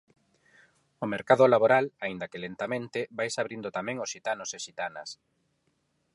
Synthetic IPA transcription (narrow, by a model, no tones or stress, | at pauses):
omeɾkaðʊlaβoɾalaind̪ɐkelent̪amẽnt̪ɪβajsaβɾind̪ʊt̪amɛ̃ŋosʃit̪anoseʃit̪anɐ̰s